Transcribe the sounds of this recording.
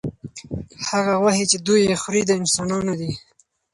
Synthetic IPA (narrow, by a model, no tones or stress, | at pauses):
haɣaɣwahet͡ʃed̪ujexɾid̪əɪnsɑnɑnod̪i